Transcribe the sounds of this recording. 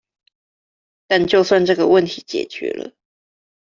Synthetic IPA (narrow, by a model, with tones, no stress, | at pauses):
t̪a˥˧nt͡ɕjo˥˧ʊswa˥˧nʈ͡ʂɤ˥˩ɡə˩wə˥˩nt̪ʰi˧˥t͡ɕjɛ̰˨˩t͡ɕɛ̰˧˥lə̰˧